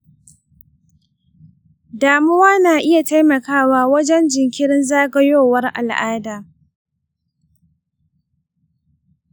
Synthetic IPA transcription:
daː˨mʊ˦waː˦naː˨ʔɪ˦ja˨ta˦jmɐ˨kaː˦waː˦wɐ˦d͡ʒɛ˦nd͡ʒɪ˨ŋkʲɪ˦ɽɪ˦nzaː˦ɡɐ˦joː˦˨wɐ˦rʔa̰˨lʔaː˦daː˨

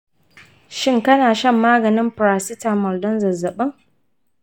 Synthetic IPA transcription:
ʃɪ˦ŋkɐ˦naː˨ʃɐ˦˨mːaː˦ɡɐ˨nɪ˦mpɾaː˨sɪ˦taː˨mɔ˨ldɔ˦nzɐ˨zɐ˨ɓɐ˦ŋ

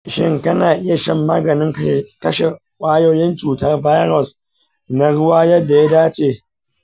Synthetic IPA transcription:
ʃɪ˦ŋkɐ˦naː˨ʔɪ˦ja˨ʃɛ˦mːaː˦ɡɐ˨nɪ˦ŋkɐ˦ʃe˨ | kʷʼaː˦joː˦jɪ˦nt͡ʃuː˨tɐ˦rba˦jɾɔ˨s | na˨ɽʊ˦waː˦jɐ˦dːa˨ja˦daː˦t͡ʃeː˦˨

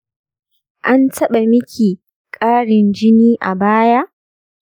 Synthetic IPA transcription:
ʔa˦ntɐ˦ɓa˨mɪ˦kʲʰiː˨ | kʼaː˦ɽɪ˨nd͡ʒɪ˦niː˦ʔa̰˨baː˦ja˦ʔ

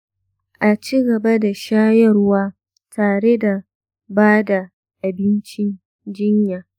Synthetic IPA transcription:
ʔa˨t͡ʃiː˦ɡɐ˨ba˦da˨ʃaː˦jɐ˦rʊ˦waː˦ | tʰaː˨ɽe˦da˨ | baː˦da˨ | ʔa˨bɪ˦nt͡ʃɪ˦n | d͡ʒɪ˦ɲjaː˨

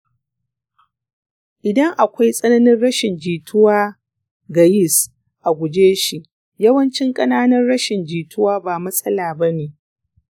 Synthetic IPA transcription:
ʔʔɪ˨dɐ˦ŋʔa˨kʷa˦jsʼɐ˦nɐ˦nɪ˦nɽɐ˦ʃɪ˨nd͡ʒiː˨tʰʊ˦waː˦ | ɡɐ˨jɪ˦s | ʔa˨ɡʷʊ˨d͡ʒeː˦ʃi˨ʔ | jɐ˦wɐ˦nt͡ʃɪ˦ŋkʼɐ˦naː˦nɐ˦rɽɐ˦ʃɪ˨nd͡ʒiː˨tʊ˦waː˦baː˨mɐ˦sʼɐ˦laː˨bɐ˦neː˨

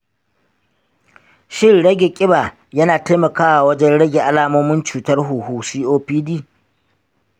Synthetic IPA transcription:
ʃɪ˦nɽɐ˦ɡʲe˨kʲʼɪ˦baː˨ | jɐ˦naː˨ta˦mɐ˨kaː˦wa˨wɐ˦d͡ʒɛ˦nɽɐ˦ɡʲe˨ʔa˦laː˦moː˦mɪ˦nt͡ʃuː˨tɐ˦rɦuː˨huː˨siː˦ʔoː˦piː˦diː˦

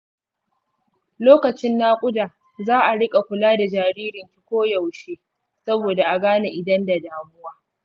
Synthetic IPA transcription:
loː˦kɐ˨t͡ʃɪ˦nːaː˦kʷʼʊ˦daː˨ | zaː˦ʔa˨ɽɪ˦kʼa˨kʷʊ˨laː˦da˨d͡ʒaː˨ɽiː˦ɾɪ˨nkʲi˦kʷoː˦jɐ˨wʃeː˦ | sɐ˦boː˨da˨ʔa˨ɡaː˦na˨ʔɪ˨dɐ˦nda˨daː˨mʊ˦waː˦

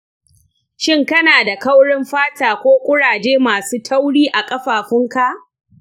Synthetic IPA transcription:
ʃɪ˦˨ŋkɐ˦naː˨da˨kɐ˦wɽɪ˦mɸaː˦taː˨kʷoː˦kʷʼʊ˦ɽaː˨d͡ʒeː˦maː˨suː˦tʰɐ˦wɽiː˦ʔa˨kʼɐ˦ɸaː˨ɸɪ˦ŋka˦ʔ

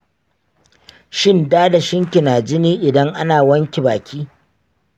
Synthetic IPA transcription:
ʃɪ˦˨ndaː˦da˨ʃɪ˦ŋkʲɪ˨naː˨d͡ʒɪ˦niː˦ʔɪ˨dɐ˦ŋʔa˦naː˨wɐ˦ŋkʲe˨baː˨kʲʰiː˦

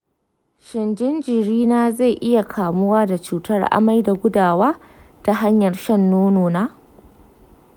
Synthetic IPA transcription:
ʃɪ˨nd͡ʒɪ˦nd͡ʒɪ˨ɾiː˦naː˦za˦˨jʔɪ˦ja˨kʰaː˨mʊ˦waː˦da˨t͡ʃuː˨tɐ˦rʔa̰˨ma˦jda˨ɡʷʊ˦daː˨waː˦ | ta˦ɦa˦ɲjɐ˨rʃɐ˦nːoː˦noː˨naː˦

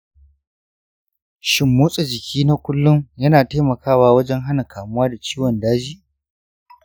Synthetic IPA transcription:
ʃɪ˨mːuː˦sʼe˨d͡ʒɪ˨kʲʰiː˦na˦kʷʊ˦lːʊ˦ŋjɐ˦naː˨teː˦mɐ˨kaː˦waː˦wɐ˦d͡ʒɛ˦ŋɦa˦na˨kʰaː˨mʊ˦waː˦da˨t͡ʃiː˦wɔ˨ndaː˦d͡ʒiː˦

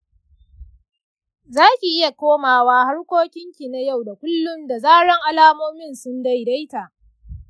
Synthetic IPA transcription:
zaː˦kʲi˨ʔɪ˦ja˨kʷoː˦maː˨waː˦ha˦ɽkʷoː˦kʲɪ˦ŋkʲi˨na˨ja˦˨wda˨kʷʊ˦lːʊ˦mda˨zaː˦ɽɐ˦ŋʔa˨laː˦moː˦mɪ˦˨nsʊ˦nda˦˨jda˦jta˨ʔ

